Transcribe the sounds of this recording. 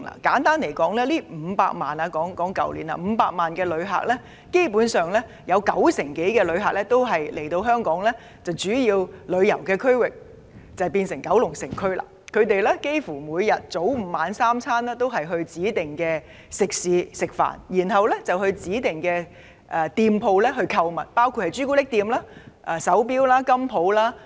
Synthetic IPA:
la̰ː˨˩kaː˨˥nt̪aː˥nle˨˩jkɔː˨˥ŋlɛː˥liː˥m̩ː˨˧paː˧k̚maː˨nɐː˧kɔː˨˥ŋkɔː˨˥ŋkɐ̰˨˩wlḭ˨˩nla̰˨m̩˨˧paː˧k̚maː˨nkɛː˧lɵ˨˧ɥɦa̰ː˨˩k̚lɛː˥ | ke˥jpu˨˥nsœː˨ŋlɛː˥ | jɐ˨˧wkɐ˨˥wsɪ˨˩ŋke˨˥jkɛː˧lɵ˨˧ɥhaː˨˩k̚lɛ˥t̪o˥wɦɐ˨jlʔe˨˩jt̪o˧wɦœː˥ŋkɔː˨˥ŋlɛː˥ | t͡sɐ˨wt͡ʃyː˨˥jiː˧wlɵ˨˧ɥjɐ˨˩wkɛː˧kʰɵ˥ɥwɪ˨k̚ | t͡sɐ˨wpiː˧nsɪ˨˩ŋkɐ˨˥wlʊ˨˩ŋsɪ˨˩ŋkʰɵ˥ɥla̰ː˨˩kʰɵ˨˧ɥt̪e˨jlɛː˥ke˥jfuː˨˩muː˨˧jjɐ˨t̚t͡so˨˥wm̩˧maː˨˧nsaː˥mt͡sʰaː˥nlɛː˥t̪o˥wɦɐ˨jɦɵ˧ɥt͡siː˨˥t̪ɪ˨ŋkɛː˧ | sɪ˨k̚siː˨˧sɪ˨k̚fa̰ː˨˩njiː˨˩nɦɐ˨wlɛ˥t͡sɐ˨whɵ˧ɥt͡siː˨˥t̪ɪ˨ŋkɛː˧ | ʔɛː˨t̪iː˧mpʰo˧wlɛː˥ɦɵ˧ɥkʰɐ˧wmɐ̰˨˩t̚paː˥wkʰu˧t̚hɐ˨jt͡ʃyː˥ku˥lɪ˥k̚t̪iː˧mlaː˥ʔɛ˨sɐ˨˥wp̬iː˥wlaː˥kɐ˥mpʰo˨˧wlaː˥

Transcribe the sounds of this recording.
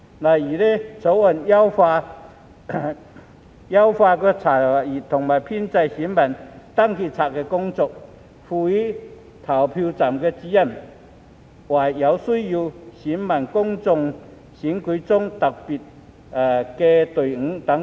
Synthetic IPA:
la˨ji˨˩le˦t͡sʰo˨˧˥wə˨˩˨nja˦wfa˧ | ja˦wfa˧kə˧t͡sʰa˨˩a˨˩i˨˩t̪ʰʊ˨˩ŋma˨˩jpʰi˥˨nt͡sa˧jɕi˨˦nba˨˩nt̪a˥˧ŋkʰi˧˩t͡sʰa˨k̚ke˧kʊ˧ŋt͡sɔ˧k̚ | fu˧i˦ | t̪ʰa˨˩wpʰi˧t͡sa˨˩mke˧t͡ɕi˧ja˥˧m | ʔwa˨˩jja˨˧˦wsu˥˧ju˧ɕi˨˦nba˨˩nkʊ˥ŋt͡sʊ˧ŋ | ɕi˨˦nki˨˧˦t͡sʊ˥˨ŋt̪a˨˩k̚pi˨˩t̚ | a˨ke˧t̪u˨˩ŋ̩˧˦ŋt̪a˨˦

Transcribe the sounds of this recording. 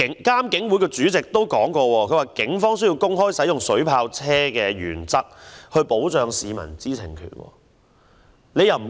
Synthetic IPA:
ŋkaː˥mkɪ˨˥ŋwuː˨˥jkɔː˧t͡ʃyː˨˥t͡sɪ˨k̚t̪o˥wkɔː˨˥ŋkɔː˧wɔː˧kʰɵ˧ɥwaː˨˩kɪ˨˥ŋfɔː˥ŋs̬ɵ˥ji˧wkʊ˥ŋɦɔː˥jsɐ˨˥jʊ˨ŋsɵ˨˥ɥpʰaː˧wt͡sʰɛː˥kɛː˧jy̰ː˨˩nt͡sɐ˥k̚hɵ˧ɥpo˨˥wt͡ʃœː˨˧ŋsiː˨˧mɐ̰˨˩nt͡siː˥t͡sʰɪ̰˨˩ŋkʰy̰ː˨˩nwɔ̰ː˧ | ne˨˧jɐ˨wm̩˨˩˨

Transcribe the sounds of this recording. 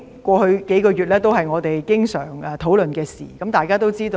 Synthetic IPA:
kʷɔː˧hɵ˧ɥke˨˥jkɔː˧ɥyː˨˩t̚lɛː˥t̪o˥whɐ˨jŋɔː˨˧t̪e˨jkɪ˥ŋsœː˨˩ŋɛ˨t̪ʰo˨˥wlɵ˨nkɛː˧sḭː˨˩kɐ˨˧mt̪aː˨jkaː˥t̪o˥wt͡siː˥t̪o˧

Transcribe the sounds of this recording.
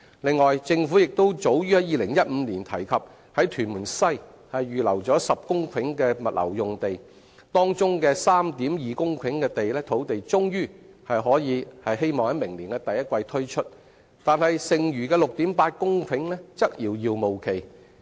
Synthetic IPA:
lɪ˨˧ŋːɔː˨jt͡sɪ˧ŋfu˨˥jɪ˨k̚t̪o˥wt͡so˨˥wjyː˥ɐ˨˥jiː˨˧lɪ˨˩ŋjɐ˥t̚m̩ː˨˧niː˨˩nt̪ʰɐ˨˩jkʰɐ˨p̚ | hɐ˨˥jt̪ʰyː˨˩nmuː˨˩nsɐ˥j | hɐ˨jɥyː˨lɐ˨˩wt͡sɔː˨˥sɐ˨p̚kʊ˥ŋkʷʰɪ˨˥ŋkɛː˧mɐ˨t̚lʔɐ̰˨˩wjʊ˨ŋt̪e˨j | t̪ɔː˥ŋt͡sʊ˥ŋkɛː˧saː˥mt̪iː˨˥mjiː˨kʊ˥ŋkʰɪ˨˥ŋkɛː˧t̪e˨jlɛː˥t̪ʰo˨˥wt̪e˨jt͡ʃʊ˥ŋjyː˥hɐ˨jɦɔː˨˥jiː˨˧hɐ˨jɦe˥jmɔː˨ŋhɐ˨˥jmɪ˨˩ŋliː˨˩nkɛː˧t̪ɐ˨jɐ˥t̚kʷwɐ˧jt̪ʰɵ˥ɥt͡ʃʰɵ˥t̚ | t̪aː˨nhɐ˨jsɪ˨ŋjyː˨˩kɛː˧lʊ˨k̚t̪iː˨˥mpaː˧t̚kʊ˥ŋkʰɪ˨˥ŋlɛː˥t͡sɐ˥k̚jiː˨˧wjiː˧wmo˨wkʰe˨˩j

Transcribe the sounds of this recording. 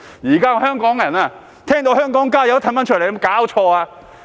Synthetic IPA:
jiː˨˩kaː˥˧hœː˥ŋkɔː˨˥ŋ˨jɐ˨˩naː˧ | t̪ʰɛː˥ŋt̪o˧whœː˥ŋkɔː˨˥ŋkaː˥jɐ˧wt̪ʰɐ˨˩mɐ˨˥nt͡ʃʰɵ˥˩le˨˩˧mkaː˨˥wt͡ʃʰɔː˧aː˧

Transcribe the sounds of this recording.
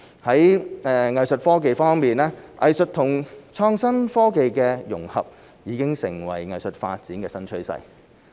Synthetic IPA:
hɐ˨˥jɛː˧ŋɐ˨jsɵ˨t̚fɔː˥k̬e˨˧jfɔː˥ŋmiː˨˩nlɛː˥ʔɐ̰˨jsɵ˨t̚t̪ʰʊ˨˩ŋt͡ʃʰɔː˧ŋsɐ˥nfɔː˥ke˨jkɛː˧jʊ̰˨˩ŋhɐ̰˨p̚ | jiː˨˧˥kɪ˥ŋsɪ˨˩ŋwɐ̰˨˩jŋɐ˨jsɵ˨t̚fa̰ː˧t̚t͡siː˨˥nkɛː˧sɐ˥nt͡ʃʰɵ˥ɥsɐ̰˥j

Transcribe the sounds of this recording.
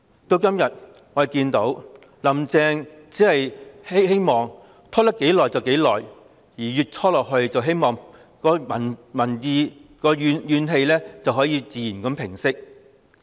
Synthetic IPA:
t̪o˧wkɐ˥mjɐ˨t̚ | ŋɔː˨˧˨kiː˧nt̪o˨˥w | lɐ˨˥mt͡sɛː˧ŋt͡siː˨˥hɐ˨jhe˥jhe˥jmɔː˨ŋ | t̪ʰɔ˥t̪ɐ˥kːe˨˥jlɔː˨˩jt͡sɐ˨wke˨˥jlɔː˨˩j | jiː˨˩jyː˨˩t̚t͡sʰɔː˥lɔː˨k̚ɦɵ˧ɥt͡sɐ˨wɦe˥jmɔː˨ŋ | kɔː˧mɐ˨˩nmɐ˨˩njiː˨˧kɔː˧jyː˨˧njyː˨˧nɦe˧jlɛː˥t͡sɐ˨wɦɔː˨˥jiː˧t͡siː˨jiː˨˩nkɐ˨˥mpʰɪ˨˩ŋsɪ˥k̚

